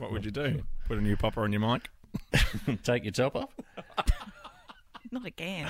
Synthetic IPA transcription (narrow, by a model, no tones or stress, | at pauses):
wʌʔwəd͡ʒɨdɨpʰʊɾɨnjʉpʰʌpə˞ɨ̃njə˞maɪk | tʰeɪkjə˞tʰɛlˠpʌf | nəɾɨɡ̥ɛ̃n